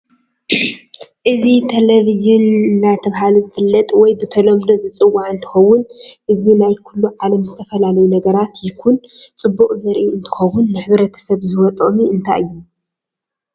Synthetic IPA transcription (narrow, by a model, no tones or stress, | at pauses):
ʔɨzit̪ʰelevizjunːat̪ʰɐβɦaluzɨfɨlːɐt̪ʼwɔjbɨt̪ʰɐlomd̪ozɨt͡sʼɨwːaʕɨnt̪ʰɨ̥xɐwːʊnʔɨzinajkʰulːuʕalɐmzɨt̪ʰɐfɐlalɐjunɐɡɐɾat̪jɪkʰunt͡sʼɨbːuχʼzɐɾʔiɨnt̪ʰɨ̥xɐwʊnːɨħɨβɾɐt̪ʰi̥sɐβzɨwɔt̪ʼomiɨnt̪ʰa̰jʔɨjːu